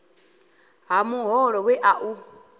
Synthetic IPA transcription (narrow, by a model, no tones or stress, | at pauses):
ɦamuɦɔɺɔwɛʔaʔu